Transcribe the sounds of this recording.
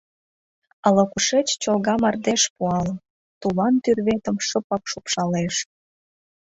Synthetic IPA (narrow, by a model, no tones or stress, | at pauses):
ələ̆kuʃet͡ɕt͡ɕolɣɑmɑrd̪eʃpuɑl | t̪ulɑnt̪yrβet̪ə̆mʃəpɑpʃupʃɑleʃ